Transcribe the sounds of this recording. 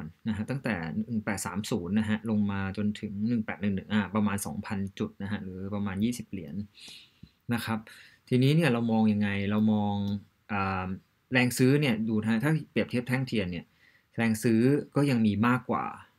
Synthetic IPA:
nna˦˥ɦa˦˥t̪a˥˩ŋt̪ɛ̰ː˨˩nɯ˨˩ŋpɛː˨˩t̪̚saː˩˦msuː˩˦nːa˦˥ɦa˦˥lo˧ŋmaː˧t͡ɕo˧nt̪ʰɯ˩˦ŋnɯ˨˩ŋpɛː˨˩t̪̚nɯ˨˩ŋnɯ˨˩ŋʔaː˧˩pɾa˧maː˧nsɔ̰ː˩˦ŋpʰa˧nt͡ɕu˨˩t̪̚na˦˥ɦa˦˥ɾɯː˩˦pɾa˧maː˧njiː˥˩si˨˩p̚li˨˩˦ənː | a˦˥kʰɾa˦˥p̚t̪ʰiː˧niː˦˥ni˥˩ɐɾa˧wmɔː˧ŋja˧ŋːa˧jɾa˧wmɔː˧ŋ | ʔaː˨˩ | ɾɛː˧ŋsɯː˦˥ni˥˩ɐəduː˧t̪ʰa˦˥t̪ʰaː˥˩pi˨˩əp̪̚ʰi˥˩əpt̪ʰɛ˥˩ŋt̪ʰi˧ənːi˥˩ɐ | ɾɛː˧ŋsɯː˦˥kɔː˥˩ja˧ŋmiː˧maː˥˩kːwa̰ː˨˩

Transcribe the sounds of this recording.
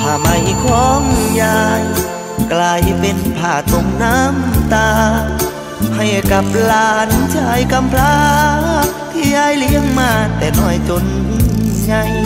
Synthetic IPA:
pʰaː˧˩ma˧˩jkʰɔː˧˦ŋjaː˧j | klaː˧jpe˧npʰaː˧˩t̪o˧˩ŋna˧˥mt̪aː˧ | ha˧˩jka˧˦p̚laː˧nt͡ɕaː˧˦jka˧mpʰlaː˧ | k̚t̪ʰiː˧˩jaː˧˥˨jli˧˥əŋmaː˧˩t̪ɛː˧˩nɔː˧˩jt͡ɕo˧n˧ | ɲa˧j

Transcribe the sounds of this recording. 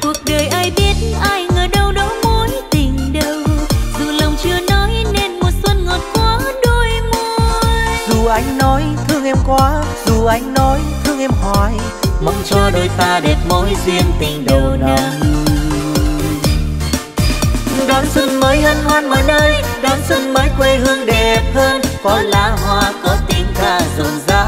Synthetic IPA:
ku˨˩ək̚ɗəː˨˩jʔaː˧jɓi˦˥ət̚ʔaː˧jŋəː˨˩ɗə˧wɗɔ˧˥mo˨˦jt̪ï˨˩ŋ̟ɗə˧wzṵ˨˩lə˨˩wŋ͡mt͡ɕɨ˧ənɔ˨˦jne˧nmo˨˩t̚swə˧nŋo˨˩t̚kwaː˨˦ɗo˧jmo˧zu˨˩ʔa˨˦jŋ̟nɔ˨˦jt̪ʰɨ˧əŋʔɛ˧mkwaː˨˦ | zu˨˩ʔa˨˧˦jŋ̟nɔ˨˦jt̪ʰɨ˧əŋʔɛ˧mɦɔ˨˩j | mə˨˧˩wŋ͡mt͡ɕəː˧ɗo˨˩jfaː˧˩ɗe˨˩p̚mo˨˦jzwi˧ənt̪ï˨˩ŋ̟ɗə˩˨˩wɗa˨˦ | ɗɔ˨˦nswə˧nməː˨˦jhəː˧nhwaː˧˥nmaː˨˩nəː˧jɗɔ˨˦nswə˧nməː˨˦jkwe˧hɨ˧əŋɗe˨˩p̚həː˧nkɔ˨˩nlaː˧hwaː˧kɔ˨˦t̪i˧ŋt̪aː˧˩zo˨˩nzaː˨˧˦

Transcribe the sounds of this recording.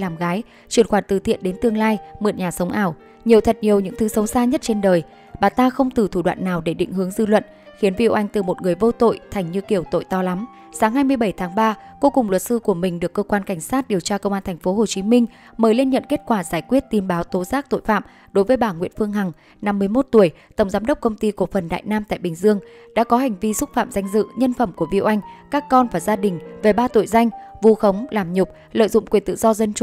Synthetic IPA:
laː˨˩mɣaː˨˦j | t͡ɕwi˧˩ənxwaː˧˩nt̪ɨ̰˧˩t̪ʰḭ˧˨ənɗe˨˦nt̪ɨ˧əŋlaː˧jmɨ˨˩ət̚ɲaː˨˩sə˨˦wŋ͡mʔaː˧˩w | ɲi˨˩əwt̪ʰə˨˩t̚ɲi˨˩əwɲɨ̰˧˥ŋt̪ʰɨ˨˦sə˨˦wsaː˧ɲə˦˥t̚t͡ɕe˧nɗəː˨˩j | ɓaː˨˩t̪aː˧xə˧wŋ͡mt̪ɨ˨˩t̪ʰu˧˩ɗwa̰ː˧˨nːaː˨˩wɗe˧˩ɗḭ˧˨ŋ̟ɦɨ˨˦əŋzɨ˧lwə̰˧˨n | xi˨˦ənvḭ˧˨ʔa˧jŋ̟t̪ɨ˨˩mo˨˩t̚ŋɨ˨˩əjvo˧t̪o̰˧˨jt̪ʰa˨˩jŋ̟ɲɨ˧ki˧˩əwt̪o̰˧˨jt̪ɔ˧la˨˦m | saː˨˦ŋɦaː˧jmɨ˧əjɓə˧˩jt̪ʰaː˨˦ŋɓaː˧ko˨˦kʊ˨˩ŋ͡mlwə˨˩t̚sɨ˧ku˧˩əmï˨˩ŋ̟ɗɨ˨˩əkːəː˧kwaː˧nka˧˩jŋ̟saː˦˥t̚ɗi˨˩əwt͡ɕaː˧kə˧wŋ͡mʔaː˧nt̪ʰɛ˨˩ŋ̟fo˨˦ɦo˨˩t͡ɕi˨˦mï˧ŋ̟ | məː˨˦jle˧nɲə̰˧˨nke˦˥t̚kwaː˧˩zaː˧˩jkwi˦˥ət̚t̪i˧˩mɓaː˨˦wt̪o˨˦zaː˦˥k̚t̪o̰˧˨jfa̰ː˧˨m | ɗo˨˦jvəː˨˦jɓaː˧˩ŋwḭ˧ənfɨ˧əŋɦa˨˩ŋ | na˧mːɨ˧əjmo˦˥t̚t̪u˧˩əj | t̪ə˧˩wŋ͡mzaː˨˦mɗə˦˥k͡p̚kə˧wŋ͡mt̪i˧ko˧˩fə˨˩nɗa̰ː˧˨jnaː˧mt̪a̰ː˧˨jɓï˨˩ŋ̟zɨ˧əŋɗa̰ː˧˥kɔ˨˦ɦa˨˩jŋ̟vi˧sʊ˦˥t̚fa̰ː˧˨mza˧jŋ̟zɨ̰˧˨ɲə˧nfə˧˩mku˧˩əvḭ˧˨wʔa˧jŋ̟kaː˦˥kːɔ˧nvaː˨˩zaː˧ɗï˨˩ŋ̟ve˨˩ɓaː˧t̪o̰˧˨jza˧jŋ̟vu˧xə˨˦wŋ͡mlaː˨˩mɲʊ˨˩k͡p̚ | lə̰˧˨jzʊ̰˧˨ŋ͡mkwi˨˩nt̪ɨ̰˧˨zɔ˧zə˧nt͡ɕ

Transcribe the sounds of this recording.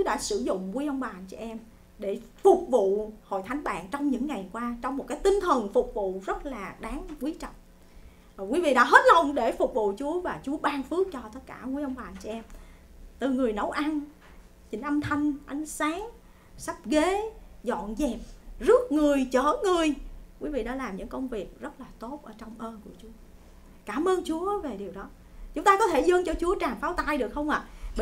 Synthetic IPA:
u˨˦ɗa̰ː˧˥sɨ˧˩zʊ̰˧˨ŋ͡mku˧əjʔə˧wŋ͡mɓaː˨˩nt͡ɕɔ˧ʔɛ˧m | ɗe˧˩fʊ˨˩k͡p̚vṵ˧˨ho̰˧˨jt̪ʰa˨˦jŋɓa̰ː˧˨nt͡ɕɔ˧wŋ͡mɲɨ̰˧˥ŋːa˨˩jkwaː˧t͡ɕɔ˧wŋ͡mm˨˩t̚kaː˨˦jt̪ï˧ŋ̟t̪ʰə˨˩nfʊ˨˩k͡p̚vṵ˧˨zə˦˥t̚laː˨˩ɗaː˨˦ŋkwi˨˦t͡ɕə˨˩t̚ː | kwi˨˦vḭ˧˨ɗa̰ː˧˥ɦe˦˥t̚lə˧wŋ͡mɗe˧˩fʊ˨˩k͡p̚vṵ˧˨t͡ɕu˨˦əvaː˨˩t͡ɕu˨˦əɓaː˧nfɨ˦˥ək̚t͡ɕɔ˧t̪ə˦˥t̚kaː˧˩ŋu˧əjʔə˧wŋ͡mɓaː˨˩nt͡ɕɔ˧˩ʔɛ˧m | t̪ɨ˨˩ŋɨ˨˩əjnə˨˦wʔa˧n | t͡ɕï˨˩˦ŋ̟ʔə˧mt̪ʰa˧jŋ̟ʔa˨˦jŋ̟saː˨˦˥ŋ | sa˦˥p̚ɣe˨˦zɔ̰˧˨nzɛ˨˩p̚zɨ˦˥ək̚ŋɨ˨˩əjt͡ɕəː˧˩ŋɨ˨˩əjkwi˨˦vḭ˧˨ɗa̰ː˧˥laː˨˩mɲɨ̰˧˥ŋkə˧wŋ͡mvi˨˩ək̚zə˦˥t̚laː˨˩t̪o˦˥t̚ʔəː˧˩t͡ɕɔ˧wŋ͡mʔəː˧nku˧˩ət͡ɕu˨˦ə | kaː˧˩mʔəː˧nt͡ɕu˨˦əve˨˩ɗi˨˩wɗɔ˨˦ | t͡ɕʊ˨˦ŋ͡mt̪aː˧kɔ˨˦t̪ʰe˧˩zə˧ŋt͡ɕɔ˧t͡ɕu˨˦ət͡ɕaː˨˩ŋfaː˨˦wt̪aː˧jɗɨ˨˩ək̚hə˧wŋ͡mʔa̰ː˨˩

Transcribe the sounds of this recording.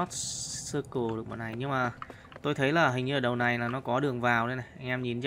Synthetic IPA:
ɔ˦˥t̚sɨ˧ku˨˩ɗɨ˨˩ək̚ma̰ː˨˩na˨˩jɲɨ˧ŋmaː˨˩ | t̪o˧jt̪ʰə˨˦jlaː˨˩ɦï˨˩ŋ̟ɲɨ˧əː˨˩ɗə˨˩wna˨˩jlaː˨˩nɔ˨˦kɔ˨˦ɗɨ˨˩əŋvaː˨˩wɗe˧na˨˩ʔa˧jŋ̟ʔɛ˧mɲi˨˩nt͡ɕ

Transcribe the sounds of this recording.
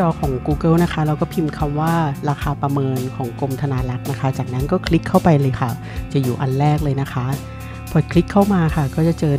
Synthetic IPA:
t͡ɕɔː˧kʰɔː˩˦ŋkuː˧kɤː˥˩wna˦˥xʰa˦˥ɾa˧wkɔː˥˩pʰi˧mkʰa˧mwaː˥˩ɾaː˧xaː˧pɾa˧mɤː˧nkʰɔː˩˦ŋko˧mt̪ʰa˧naː˧la˦˥k̚na˦˥kʰa˦˥t͡ɕaː˨˩k̚na˦˥nkɔː˥˩kʰli˦˥kʰːa˥˩wpa˧jlɤː˧jxʰa˥˩ | t͡ɕa˨˩juː˨˩ʔa˧nɾɛː˥˩k̚lɤː˧jna˦˥kʰa˦˥ʔ | pʰɔ˨˩kʰli˦˥kʰːa˥˩wmaː˧ka˥˩kɔː˥˩t͡ɕa˨˩t͡ɕɤː˧

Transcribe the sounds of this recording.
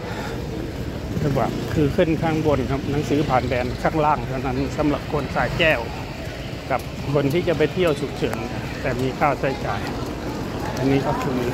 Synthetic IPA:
kʰa˧˥˩kwaː˧˩kʰɯː˧kʰɯ˧˥˩nkʰaː˧˩ŋbo˧nkʰa˧˩p̚na˧˦ŋsɯː˨˦pʰaː˨˩nbɛː˨˧nkʰaː˧˥˩ŋlaː˧˥˩ŋt̪ʰa˧˩wna˧˥˨nsa˨˦mla˨˧˩p̚kʰo˧nsaː˨˩jkɛː˧˥˩w | ka˧˩p̚ | kʰo˧nt̪ʰiː˥˩t͡ɕa˧˦p̬a˨jt̪ʰi˧˥˩əwsʰu˨˩k̚t͡ɕʰɤː˨˦n˧˩t̪ɛː˨˩miː˧kʰaː˧˩wsaː˧˩jt͡ɕaː˨˩j | ʔa˧˨nːiː˧˥˩ka˧˩wkʰɯ˧˩˧

